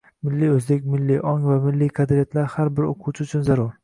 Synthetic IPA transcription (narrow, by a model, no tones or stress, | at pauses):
mɪlːiɵzb̪ekʲmɪlːiʔɒŋvamɪlːijkʰɑd̪ɾɪjat̪ʰlaɾhaɾbɪɾo̰qʰʊwt͡ʃʰɪʊt͡ʃʰʊnzaɾuɾ